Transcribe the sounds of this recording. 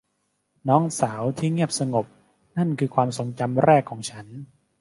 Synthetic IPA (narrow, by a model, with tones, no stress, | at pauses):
nɔː˦˥ŋsaː˩˦wt̪ʰiː˥˩ŋi˥˩əp̚sa˧ŋo˨˩p̚ | na˥˩nkʰɯː˧kʰwaː˧mso˨˩˦ŋt͡ɕa˧mɾɛː˥˩kʰːɔː˩˦ŋt͡ɕʰa˦˥n